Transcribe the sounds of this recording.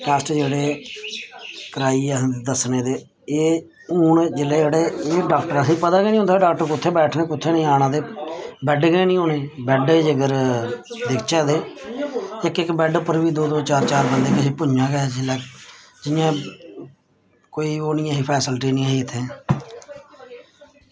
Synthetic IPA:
kɛːsʈd͡ʒeːɽeː | kəɾaːiːd̪əsneːd̪eː | eː | uːɳd͡ʒɪleːd͡ʒeːɽeːeːɖaːkʈəɾaːsĩːpət̪aːɡeːnĩːʊ̃nd̪aːɖaːk̚ʈəɾkʊt̪ʰːeːbɛːʈʰnẽːkʊt̪ʰːeːnəĩːaːɽãːd̪eːbɛːɖɡeːnĩːoːneːbɛːɖd͡ʒəɡəɾ | d̪ɪkʰt͡ʃɛːd̪eː | ɪkːɪkbɛːɖpəɾʋiːd̪oːd̪oːt͡ʃaːɾt͡ʃaːɾbənd̪eːkəseːpʊɲd͡ʒãːɡɛselɛː | d͡ʒɪjãː | koːiːoːnɪjãːɦiːpʰɛːsəlʈiːnĩːaɦiːɪt̪ʰːẽː

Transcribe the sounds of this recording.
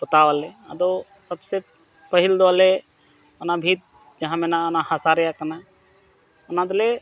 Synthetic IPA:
bət̪aʋalea̰d̪o | səbse | pəɦild̪oale | ənabʱit̪̚ | d͡ʒəɦãmenaənahasaɾjakəna | ənad̪le

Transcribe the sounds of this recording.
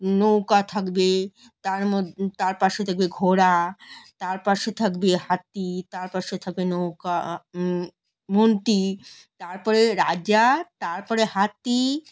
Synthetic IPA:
nowkat̪ʰakbe | t̪aɾmod̪t̪aɾpaʃet̪ʰak̚beɡʱoɽat̪aɾpaʃet̪ʰakbeɦat̪ːit̪aɾpaʃet̪ʰak̚benowka | mont̪i | t̪aɾpɔɾeɾaat̪aɾpɔɾehat̪ːi

